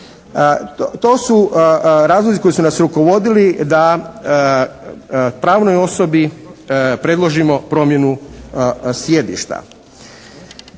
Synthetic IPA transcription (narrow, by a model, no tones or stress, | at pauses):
t̪o̞ːsuɾaːzlˠoziko̞jisunasɾuko̞ʋo̞d̪ilid̪a | pɾaːʋno̞jo̞so̞bi | pɾe̞d̪lˠo̞ʒimo̞pɾo̞mje̞nu | sje̞d̪ḭʃt̪a̰